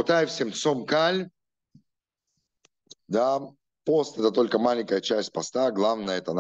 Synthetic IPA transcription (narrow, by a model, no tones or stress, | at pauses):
ʊt̪ajɪfsʲemt̪somkalʲ | d̪a | post̪ɛt̪ət̪o̞lʲkəmalʲɪŋʲkəjət͡ɕæsʲt̚ʲpɐst̪aɡlˠavnəjəɛt̪ən